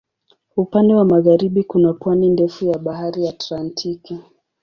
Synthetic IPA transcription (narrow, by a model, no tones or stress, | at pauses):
upandɛwamaɣaɾiɓikunapwanindɛfujaɓaɦaɾijatlantʰiki